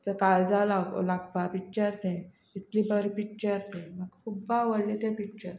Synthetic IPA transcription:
t̪əkaɭd͡zalaɡ̰laɡpapik̚t͡ɕəɾt̪ẽ | it̪libəɾipik̚t͡ɕəɾt̪ẽməɡkʰubːaʋəɽlit̪epik̚t͡ɕəɾ

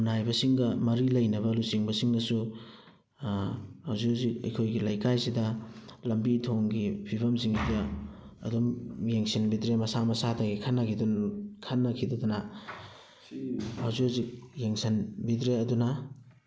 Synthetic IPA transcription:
najbɐsiŋɡɐmɐɾilɐjnɐβɐlusiŋbɐsiŋdɐsu | hawzuzik̚ɐ̰jkʰojɡilɐjkajsidɐlɐmbitʰoŋɡipʰibɐmsiŋjɐɐ̰dumjeŋsinbidɾemɐsamɐsatʰaɡikʰanːɐkʰidunkʰɐnːɐkʰidɐdɐnɐ | hawzuazik̚jeŋsɐnbidɾeɐdunɐ

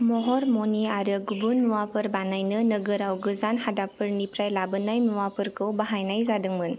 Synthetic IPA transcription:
mɔɦɔɾmɔniaɾɯɡubunːuwapɯɾbanajnɯnəɡɯɾawɡɯzanhadapɯɾnipɾajlabɯnajmuwapɯɾkɯwbaɦajnajzadɯŋmɯn

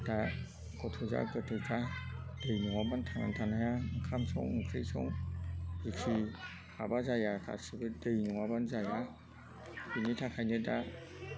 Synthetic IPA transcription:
d̥a | ɡɔtʰuza̰ɡɯtʰuzad̥ɯjnɔŋabantʰaŋa̰ntʰanajakʰamsɔ̰ŋuŋkʰɾijsɔ̰ŋhikʰi | abazajakʰa̰sibɯdɯjnɔwabanzaja | binitʰakʰajnɯda

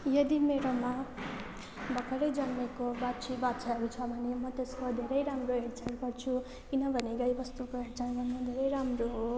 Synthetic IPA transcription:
jʌd̪imeɾoma | bʱʌkʰʌɾʌjd͡zʌnːekobat͡sʰibat̪t͡sʰaʌɾut͡sʰʌbʱʌnemʌt̪eskod̪ʱeɾʌjɾamroɦeɽt͡saɽɡʌrt͡sʰu | kinʌbʱʌneɡʌjbʌst̪ukoɦeʈd͡zaɽmamʌd̪ʱeɾʌjɾamroɦo

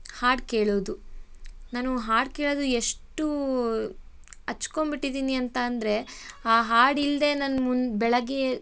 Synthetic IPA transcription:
haːɖkeːɭoːd̪u | naːnuɦaːɖ̚keːɭoːd̪ueʂʈu | ɐt͡ʃːkombiʈːid̪iːniɐnt̪ɐːnd̪ɐɾe̞aːɦaːɽild̪e̞nɐnmunbɛɭɐɡe

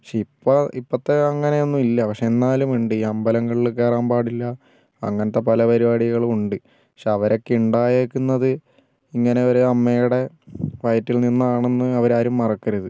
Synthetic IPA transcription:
pɐkʂeipːɐipːɐt̪ːeɐŋːɐne̞jonːumilːɐpɐkʂeenːaːlumiɳɖɨɐmbɐlɐŋɡɐɭilkːeːraːmbaːɽilːɐ | ɐ̰ŋːɐnɐt̪ːe̞pɐlɐpɐɾibaːɽiɣɐɭuɳɖɨ | pɐkʂeɐʋɐɾo̞kːeuɳɖaːjeːkːunːɐðɨ | iŋːɐne̞oɾɐmːejuɽe̞ | ʋɐjtːilninːaːɳenːɨɐʋɐɾaːɾumːɐrɐkːiɾɐðɨ

